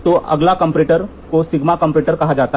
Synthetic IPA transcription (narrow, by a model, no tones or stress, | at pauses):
t̪oʔə̰ɡlakəmpɾeʈəɾ | kosiɡmakəmpɾeʈəɾkəɦad͡ʒat̪a